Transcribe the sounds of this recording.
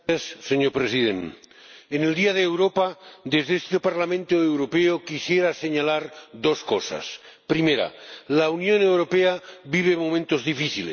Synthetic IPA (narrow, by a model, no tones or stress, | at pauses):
asːeɲoɾpɾesiðḛn | ene̞ld̪iað̞eːwɾopad̪ezðeest̪epaɾlamẽnt̪oewɾopeokisjeɾase̞ɲalaɾd̪o̞skosa̰spɾimeɾa̰launjo̞ne̞wɾo̞peaβiβ̞e̞momẽnt̪ozðifiθilḛ